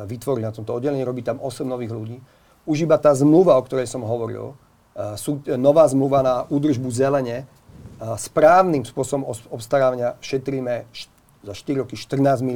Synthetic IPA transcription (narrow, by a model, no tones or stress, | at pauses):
ʋit̪ʋɔɾilnat̪ɔmt̪ɔɔdɟɛlɛɲiɾɔbiːt̪amɔsɛmnɔʋiːɣluɟiː | uʒibat̪aːzmluʋaɔkt̪ɔɾɛjsɔmɦɔʋɔɾḭl | suːnɔʋaːzmluʋanauːd̪r̩ʒbuzɛlɛɲɛ | spɾaːʊnimspʊɔsɔbɔmɔɔpst̪aɾaːʋaɲɪaʃɛt̪ɾiːmɛʃ | zaʃt̪iɾiɾɔkiʃt̪r̩naːzmi